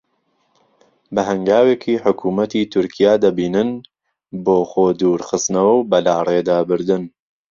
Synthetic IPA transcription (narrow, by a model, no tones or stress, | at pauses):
bɐɦɐŋɡaːweːkʰiːħʊkʰuːmɐt̪iːt̪ʰʊɾkʰijaːd̪ɐbiːnɨn | boːχoːd̪uːɾxɨst̪nɐwɐwbɐlaːreːd̪aːbɨɾd̪ɨn